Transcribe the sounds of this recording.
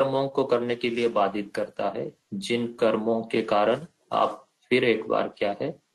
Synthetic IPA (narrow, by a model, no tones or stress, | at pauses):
ɾmõkokɐɾnekeliebaːd̪ʱɪt̪̚kɐɾt̪aɦɛ | d͡ʒɪnkɐɾmõkekaːɾəɽ̃ | a̰ːp | fɪɾeːkba̰ːɾkjaːɦɛː